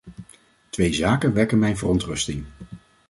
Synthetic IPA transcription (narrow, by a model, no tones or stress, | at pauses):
tʋejzaːkənʋɛɹkənmɛjnvərɔntrɵstɪŋ